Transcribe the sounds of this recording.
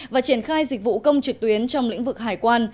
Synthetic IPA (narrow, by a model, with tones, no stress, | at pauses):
vaː˨˩t͡ɕi˧˩ənxaː˧jzi˨˩k̟̚vṵ˧˨kə˧wŋ͡mt͡ɕɨ˨˩k̚t̪wi˨˦ənt͡ɕɔ˧wŋ͡mlḭ˧˥ŋ̟vɨ˨˩k̚ɦaː˧˩jkwaː˧n